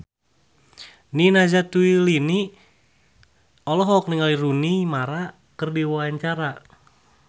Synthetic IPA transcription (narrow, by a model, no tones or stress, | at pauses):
ninazat̪uilini | ɔlɔɦɔk̚niŋalirunimaɾa | kərdiwaaɲt͡ʃaɾa